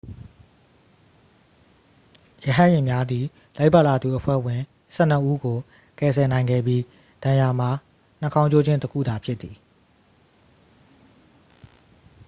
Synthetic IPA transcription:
jə˨ɦã˦˨jɪ̃˨mja˦d̪ði˨ | la˦ɪpa˦˨la˨d̪u˨ʔəpʰwɛ̰˦˨wɪ̃˨ | sɛ̰˦˨n̥ə˦ʔu˦ɡo˨ | kɛ˨sʰɛ˨nã˨ɪ̃ŋɡɛ̰˦˨bji˦ | d̥ã˨ja˨m̥a˨ | n̥ə˦kʰã˦ʊ̃t͡ɕo˦d͡ʑɪ̃˦ntəkʰṵ˦˨d̪a˨pʰjɪ˦t̪t̪ːi˨

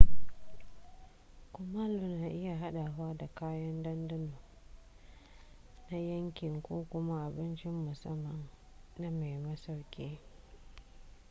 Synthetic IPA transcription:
kʷʊ˨maː˦lu˨naː˨ʔɪ˦ja˨ɦa˦ɗa˨waː˦da˨kaː˦jɐ˦ndɐ˦ndɐ˦nu˨ | na˦jɐ˦ŋkʲɪ˨ŋkʷoː˦kʷʊ˦ma˦ʔa˨bɪ˦nt͡ʃɪ˦mːʊ˨sɐ˦mːɐ˨m | na˦ma˨jmɐ˦sa˨wkʲʼeː˦

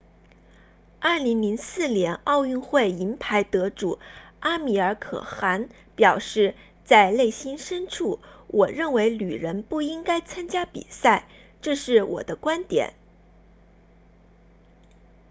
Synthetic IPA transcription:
ɐ˥˩li˧˥ŋli˧˥ŋsɹ̩˥˩njɛ˧˥nɑ˥˧ʊy˥˧nxwe˥˩ɪi˧˥npʰa˧˥ɪt̪ɤ˧˥ʈ͡ʂu˨˩˦a˥mi˨˩ə˞˧˥kʰɤ̰˨˩xa˧˥n | pjɑ˨˩ʊʂɻ̩˥˧ | t͡sa˥˧ɪle˥˩ɪɕi˥nʂə˥nʈ͡ʂʰu˥˩wʔɔ˨˩ɻə˥˩nwe˧˥ɪly˨˩ɻə˧˥npu˥˩i˥ŋka˥ɪt͡sʰa˥nt͡ɕja˥pḭ˨˩sa˥˩ɪ | ʈ͡ʂɤ˥˧ʂɻ̩˥˩wʔɔ̰˨˩d̪ə˦kwa˥nt̪jɛ̰˨˩˦n

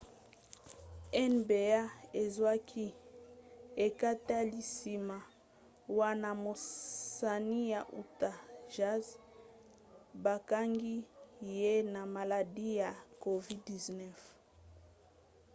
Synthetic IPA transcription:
ɛ˦nbe˨a˦e˨zwa˦kʰi˦ | e˨ka˦ta˦li˨si˨ma˨ | wa˦na˨mo˨sa˨ni˦ja˨ʔu˨ta˨ʒa˦z | ba˨ka˦ŋɡi˦je˦na˨ma˨la˨di˦ja˨ko˨vi˦di˨znɛ˦f

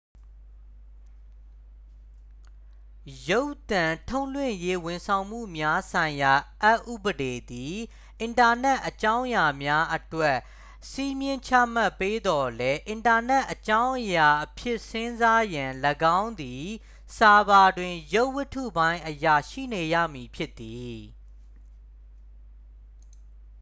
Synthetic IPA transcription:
jo˦ʊt̪ã˨tʰõ˦ʊ̃lwɪ̰̃˦˨je˦wʊ̃˨nsʰã˨ʊ̃m̥ṵ˦˨mja˦sʰã˨ɪ̃ja˨ʔa˦ʔṵ˦˨bəde˨d̪i˨ | ʔɪ̃˨nta˨nɛ˦ʔət͡ɕã˦ʊ̃ja˨mja˦ʔətwɛ˦ʔ | si˦mjɪ̃˦t͡ɕʰä̰˦˨ma˦˨pːe˦d̪ɔ˨lɛ˦ʔɪ̃˨nta˨nɛ˦ʔːət͡ɕã˦ʊ̃ʔəja˨ʔəpʰjɪ˦ʔsɪ̃˦nza˦jã˨ləɡã˦ʊ̃nd̪i˨ | sa˨ba˨dwɪ̃˨jo˦ʊʔwə˦tʰṵ˦˨bã˦ɪ̃ʔəja˨ʃḭ˦˨ne˨jä̰˦˨mi˨pʰjɪ˦t̪ːi˨

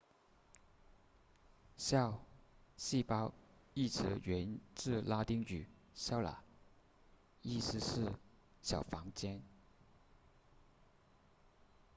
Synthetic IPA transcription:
ɕjɑ˥˧ʊɕi˥˧pɑ˥ʊi˥˩ʈ͡ʂʰɻ̩˧˥ɥɛ˧˥nʈ͡ʂɻ̩˥˧la˥t̪i˥ŋt͡ɕy˨˩ | ɕjɑ˥˩ʊla̰˨˩˦ | i˥˩sɹ̩˥ʂɻ̩˥˩ | ɕjɑ˨˩ʊfɑ˧˥ŋt͡ɕjɛ˥n

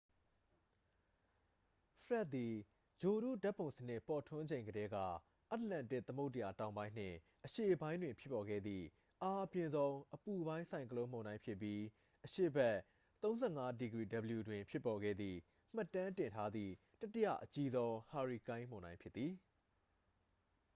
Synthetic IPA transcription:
pʰəɹɛ˦t̪̚t̪i˨ | d͡ʑo˨ɾṵ˦˨da˦ʔpːõ˨ʊ̃sən̥ɪ˦ʔpɔ˨tʰʊ̃˦ɲd͡ʑẽ˨ɪ̃ŋɡəɾɛ˦ɡä̰˦˨ | ʔa˦tlã˨ntɪ˦ʔt̪ːəmo˦tə˨ja˨tã˨ʊ̃mbã˦ɪ̃n̥ɪ̰̃˦˨ | ʔəʃe˦˨ʔəbã˦ɪ̃ndwɪ̃˨mpʰjɪ˦pːɔ˨ɡɛ̰˦˨d̪ðḭ˦˨ | ʔa˦ʔəpjɪ̃˨nzõ˦ʊ̃ʔəpu˨bã˦ɪ̃sʰã˨ɪ̃ŋkəlõ˦ʊ̃mõ˨ndã˦ɪ̃pʰjɪ˦pːji˦ | ʔəʃḛ˦˨bɛ˦˨ | t̪õ˦ʊ̃zɛ˦˨ŋa˦di˨ɡɹḭ˦˨də˨bəlju˨dwɪ̃˨mpʰjɪ˦pːɔ˨ɡɛ̰˦˨d̪ðḭ˦˨ | m̥a˦˨tːã˦tɪ̃˨ntʰa˦d̪ðḭ˦˨ | ta˦tɪ˦jä̰˦˨ʔət͡ɕi˦zõ˦ʊ̃ha˨ɹi˨kã˦ɪ̃m̥õ˨nã˦mpʰjɪ˦t̪t̪ːi˨

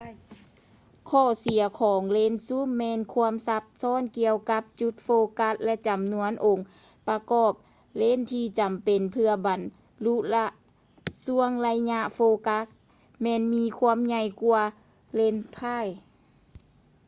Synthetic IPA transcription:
kʰɔː˧˩si˨˩˦ɐkʰɔː˨˦ŋle˧˥˨nsu˧˥˨mːɛː˧˨nkʰu˧əmsa˧p̚sɔː˧˥˨nki˧əwka˧˦p̚t͡ɕu˧˦t̪̚foː˧ka˧˥t̚lɛ˧ʔt͡ɕa˨˩mnu˧˥ənʔo˨˩ŋ | pa˧kɔː˧˩p̚ | le˧˥˨nt̪ʰiː˧t͡ɕa˨˩mpe˨npʰɯ˧ɐba˨n | lu˧˥la˧ | su˧˥əŋla˧jɲa˧ʔfoː˧ka˧˥s | mɛː˧˨nmiː˧˥kʰu˧əmɲa˧jku˧ɐ | le˧˥˨npʰa˧˥˩j

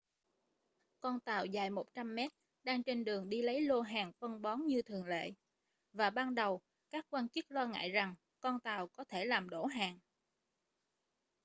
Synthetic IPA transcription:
kɔ˧nt̪aː˨˩wzaː˨˩jmo˨˩t̚t͡ɕa˧mːɛ˦˥t̚ | ɗaː˧ŋt͡ɕe˧nɗɨ˨˩əŋɗi˧lə˨˦jlo˧ɦaː˨˩ŋfə˧nɓɔ˨˦nɲɨ˧t̪ʰɨ˨˩əŋlḛ˧˨ | vaː˨˩ɓaː˧nɗə˨˩w | kaː˦˥kːwaː˧nt͡ɕɨ˦˥k̚lɔ˧ŋa̰ː˧˨jza˨˩ŋ | kɔ˧nt̪aː˨˩wkɔ˨˦t̪ʰe˧˩laː˨˩mɗo˧˩ɦaː˨˩ŋ

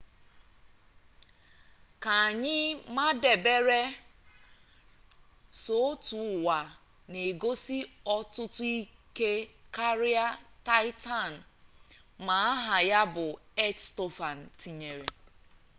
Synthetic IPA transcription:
ka˨a˨ɲɪ˦ma˦de˨be˦ɾe˦ | so˨˦tu˨wa˨ | ne˨ɡo˦si˦ɔ˦tʊ˦tʊ˦i˦ke˦ka˦ɾi˦a˦ta˦jta˦n̩˨ | ma˨a˦ɦa˨ja˦bʊ˨e˦tsto˦fa˨n̩˨ti˨ɲe˨ɾe˨

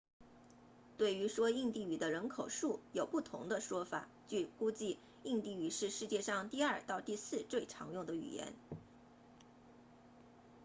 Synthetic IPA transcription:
t̪we˥˩ɪy˧˥ʂwɔ˥i˥˧ŋt̪i˥˩y˨˩d̪ə˦ɻə˧˥nkʰo˨˩ʊʂu˥˩jo˨˩ʊpu˥˩t̪ʰʊ̰˧˥ŋd̪ə˧ʂwɔ˥fa̰˨˩˦ | t͡ɕy˥˩ku˥t͡ɕi˥˧ | i˥˧ŋt̪i˥˩y˨˩ʂɻ̩˥˧ʂɻ̩˥˧t͡ɕjɛ˥˧ʂɑ˥˧ŋt̪i˥˧ɐ˞˥˧t̪ɑ˥˧ʊt̪i˥˧sɹ̩˥˧t͡swe˥˩ɪʈ͡ʂʰɑ̰˧˥ŋjʊ˥˩ŋd̪ə˩y̰˨˩jɛ̰˧˥n

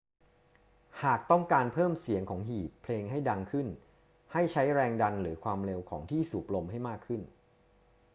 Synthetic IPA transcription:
haː˨˩k̚t̪ɔ˥˩ŋkaː˧npʰɤː˥˩msi˨˩˦əŋkʰɔː˩˦ŋɦiː˨˩pʰːleː˧ŋɦa˥˩jda˧ŋkʰɯ˥˩n | ha˥˩jt͡ɕʰa˦˥jɾɛː˧ŋda˧nlɯː˩˦kʰwaː˧mɾe˧wkʰɔː˩˦ŋt̪ʰiː˥˩suː˨˩p̚lo˧mha˥˩jmaː˥˩kʰːɯ˥˩n

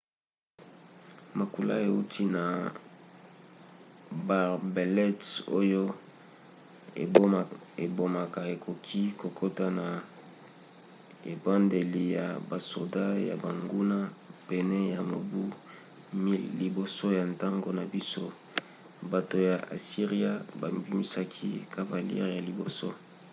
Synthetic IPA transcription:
ma˨ku˨la̰˦e˨u˦tʰi˦na˨ | ba˨ʁbe˨lɛ˦to̰˦jo˦˨ | e˨bo˨ma˨ka˨e˨kʰo˨kʰi˦ko˨kʰo˦ta˦na˨ | ḛ˨ba˦nde˨li˨ja̰˨ba˨so˨da˦ja̰˨ba˨ŋɡu˦na˦pɛ˨nɛ˦ja˨mo˨bu˦ | mi˦lli˨bo˨so˦ja˨nta˦ŋɡo˨na˨bi˦so˦ | ba˨to˨ja˨ʔa̰˨si˦ʁi˦a˦ba˨mbi˦mi˦sa˦kʰi˦ka˦va˨li˦ɛ̰˦ʁja˨li˨bo˨so̰˦

